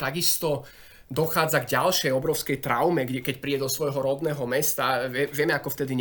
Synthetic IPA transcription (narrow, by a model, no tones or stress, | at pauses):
t̪aɡist̪ɔ | d̪ɔxaːd͡zaɡɟalʃɛjɔbɾɔʊskɛjt̪ɾa̰ʊmɛɡɛkɛcpɾiːɟɛd̪ɔsʋɔjɦɔɾɔd̪nɛːɦɔmɛst̪aʋɪɛʋɪɛmɛakɔft̪ɛd̪iɲ